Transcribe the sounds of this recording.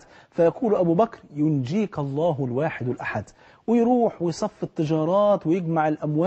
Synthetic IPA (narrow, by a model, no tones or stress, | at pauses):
fajakuːlʔabuːbakɾjʊnd͡ʒiːkɑlˤːɑːɦɪlwaːħɪd̪wɪlʔaħad̪ | wɪjɾuːħwɪjsˤɑfːɪt̪ːɪd͡ʒɑːɾˤɑːt̪wɪjɪɡmaʕɪlʔamwa